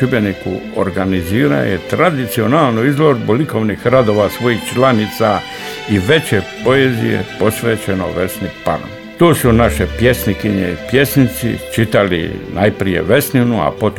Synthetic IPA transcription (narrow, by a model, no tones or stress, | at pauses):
ubenikṵo̰ɾɡaniziːɾa̰jet̪ɾad̪it̪sio̞naːlˠnuizlo̞ɾboliko̞ʋnixɾad̪o̞ːʋasʋo̞ixt͡ʃlanit̪sa | iʋe̞t͡ɕepo̞ezḭjḛpo̞sʋeːt͡ɕeno̰ʋe̞snipa̰ɾ̰m | t̪oːsunaʃepje̞snikiɲḛipje̞snit̪sḭt͡ʃit̪alḭnʔajpɾijḛʋe̞sninua̰pot̪